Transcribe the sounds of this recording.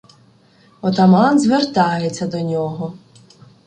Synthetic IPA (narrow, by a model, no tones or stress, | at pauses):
ɔt̪ɐmɑnzʋert̪ɑjet͡sʲːɐd̪ɔnʲɔɦɔ